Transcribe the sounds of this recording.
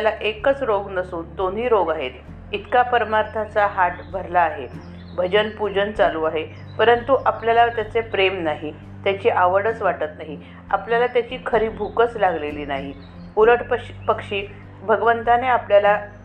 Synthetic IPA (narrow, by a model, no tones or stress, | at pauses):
alaʔekət͡sɾoɡnəsuːnd̪on̤iːɾoɡaɦet̪ | it̪kapəɾmaɾt̪ʰat͡saɦaʈbʱəɾlaːɦe | bʱəd͡ʑənpud͡ʑənt͡saluːaɦe | pəɾənt̪uʔapljalat̪jat͡sepɾemnaɦi | t̪jat͡ɕiːʔaʋəɽət͡sʋaʈət̪naɦi | a̰pljalat̪jat͡ɕiːkʰəɾiːbʱukət͡slaɡleliːnaɦi | uləʈpəpəkʂiː | bʱəɡʋənt̪aneapljala